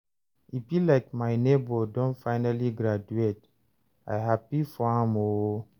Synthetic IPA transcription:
ifilaɪkmajnebɔdɔ̃nfaɪnaliɡɾad͡ʒuet | ajɦapifɔãmo

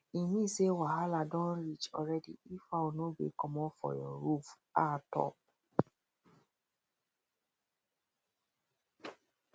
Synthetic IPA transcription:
inĩsewaɦaladɔ̃nɾit͡ʃɔɾɛdḭifaonobḛkɔmɔ̃fɔ̰jɔ̰ɾuf | atɔ̰p̚

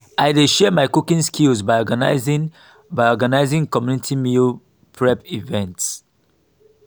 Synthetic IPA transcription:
aɪdeʃɛəmaɪkukĩnskilzbaɪɔɡanaɪzĩ | baɪɔɡanaɪzĩŋkɔmjunitʰimil | pʰɹɛpivɛ̃nts

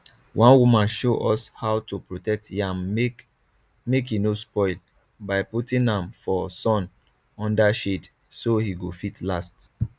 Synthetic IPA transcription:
wʔɔ̃nwumãnʃoʔɔshawtupɹotɛk̚tʰiãnek | mekinospɔɪl | baɪputĩnãmfɔsɔ̃n | ɔ̃ndaʃit | sohiɡofitʰlast

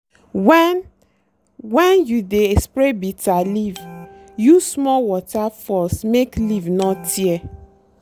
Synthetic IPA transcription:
wɛn | wɛ̃njudeespɾebitaliv | jusmɔwɔtafɔsmeklivnɔtʰiɛ

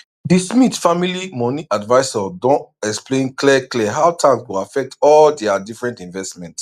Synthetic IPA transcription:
dismitfamilimɔniʔadvaɪsɔdɔ̃ntɛksplẽnklɛklɛɦawtʰãkswuafɛk̚tɔldɛadifɹɛ̃ntĩnvɛstmɛ̃nt

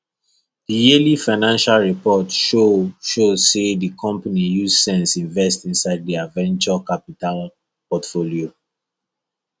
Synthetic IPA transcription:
dijelifaɪnãnʃalɹipɔtʃoʃozsedikʰɔ̃mpanijuzsɛ̃nsĩɱvɛstĩnsaɪddiavɛ̃nt͡ʃɔkapital | pɔtfolio

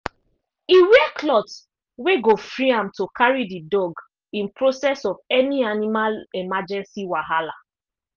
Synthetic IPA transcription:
iweklɔt | weɡofɹiãmtokʰaɹididɔɡ | ĩnpɹosɛsɔvɛnianimalɛmad͡ʒɛ̃nsiwaɦala

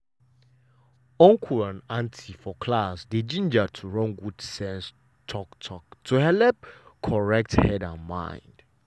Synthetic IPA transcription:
ɔ̃ŋkʰulãnãntʰifɔkʰlasdid͡ʒĩnd͡ʒatʰuɹɔ̃nɡud̥sɛ̃ns | tʰɔktʰɔk̚tʰuhɛlɛp̚kʰɔɹɛk̚thɛdãnmã̰ɪ̃nd̥

